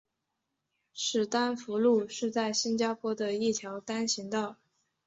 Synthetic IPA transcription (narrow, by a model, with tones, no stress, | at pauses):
ʂɻ̩˨˩t̪a˥nfu˧˥lu˥˧ʂɻ̩˥˧t͡sa˥˩ɪɕi˥nt͡ɕja˥pʰwɔ˥d̪ə˨i˥˩t̪ʰjɑ˧˥ʊt̪a˥nɕi˧˥ŋt̪ɑ˥˩ʊ